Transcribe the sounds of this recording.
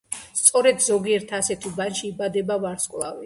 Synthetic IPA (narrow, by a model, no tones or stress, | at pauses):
st̪sʼɔɾɛd̪zɔɡiɛɾt̪ʰasɛt̪ʰubanʃiːbad̪ɛbavaɾskʼlˠa̰vi